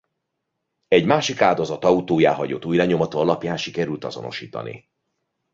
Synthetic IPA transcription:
ɛɟmaːʃikaːld̪o̞zɒt̪ɒut̪oːjaːɦɒɟo̰t̪ːuːjlɛɲomɒt̪oːɒlɒpjaːnʃikɛɾylt̪ɒzo̞̰no̞̰ʃiːt̪ɒ̰nḭ

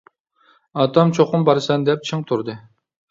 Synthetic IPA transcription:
ɑt̪ɑmt͡ʃʰoqʊmbɑɾsɑnd̪ɛp̚t͡ʃʰɨŋt̪ʰuɾd̪ɨ

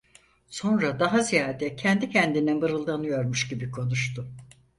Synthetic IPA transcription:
so̞nɾad̪aɦazijaːd̪ɛcʰɛnd̪icʰɛnd̪inɛbɯɾɯlˠd̪anɯjo̞ɾmuʃɟibikʰo̞nuʃt̪ʰʊ

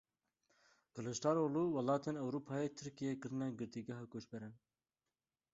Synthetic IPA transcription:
kɨlɨʃtɑːɾoːluːwɛlɑːt̪eːnɛwɾuːpʰɑːjeːt̪ʰɨɾkijekɨɾɨnɛɡɨɾt̪iɡɐɦɑːkoːʃbɛɾɛn

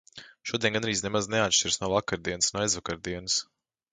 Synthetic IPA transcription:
ʃuɔd̪eɛnɡanɾiːzʲnemazneat̪ʃt͡ʃiɾsnuɔvakaɾd̪iɛnəsnuɔajzvakaɾd̪iɛnɨs

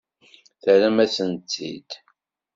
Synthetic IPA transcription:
θəɾæmæsənt̪ːḭd̪

